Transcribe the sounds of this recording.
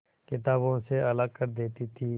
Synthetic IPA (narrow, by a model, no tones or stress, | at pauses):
kɪt̪aːbõseələɡ̚kəɾd̪eːt̪it̪ʰiː